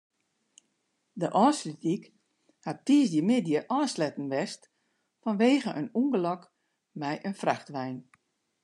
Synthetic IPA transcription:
dəʔɔːsritik | hat̚tisdjəmɪdjəʔɔːslɛtən̩ʋɛst | fɔnʋeːɣəʔə̰nuŋɡəlɔk | mɛjʔənfraxtʋɛjn

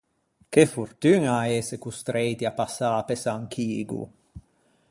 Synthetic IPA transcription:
kefurt̪ynaesekust̪ɾet̪iapːasaːpesaŋkʰiːɡṵ

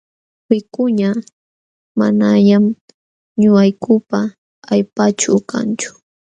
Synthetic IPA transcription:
wɪkʊɲa | ma̰naʎam | ɲʊajkʊpaː | jpat͡ʃʊka̰nt͡ʃʊ̥

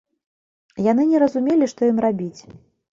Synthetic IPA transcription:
jan̪ɨnʲɛɾɐzumʲelʲiʂt̪ɔjimrabʲit͡sʲ

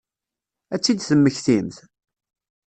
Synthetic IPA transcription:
æt͡sːid̪θəmːəçθimθ

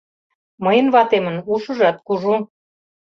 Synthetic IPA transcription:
məjənβɑt̪emənuʃə̆ʒɑt̪̚kuʒu

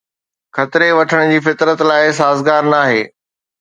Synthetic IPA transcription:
xɐt̪ɪɾeʋɐʈʰəɽ̃ʊd͡ʑiːfɪt̪ɾət̪laːɪs̬aːzɡaːɾnaːɦeː

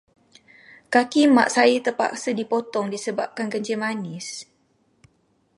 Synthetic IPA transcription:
kakimaʔsait̪əpa̰ksədipɔt̪ɔŋdisəbap̚kanɡəɲd͡ʒəmanis

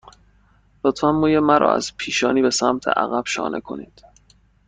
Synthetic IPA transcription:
lot̪fæmːuːjemæɾʔɒ̰ːæ̰z̥pʰiːʃɒːniːbe̞sæmt̪ʰḛʔæ̰ɣæb̥ʃɒ̰ːnʔḛkʰo̞niːd̪̥

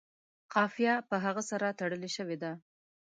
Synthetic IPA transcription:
qɑfijɑpəɦaɣəsaɾat̪aɽəleʃəwed̪a

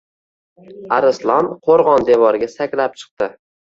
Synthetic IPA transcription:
aɾɪslˠɒnqʰoɾʁɒnd̪e̞vɒɾɡʲasakʲlap̚t͡ʃʰɨ̥q̚t̪ɪ

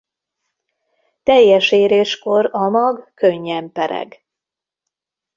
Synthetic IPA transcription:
t̪ɛjːɛʃeːɾeːʃko̞ɾɒmɒɡkøɲːɛmpɛɾɛ̰ɡ

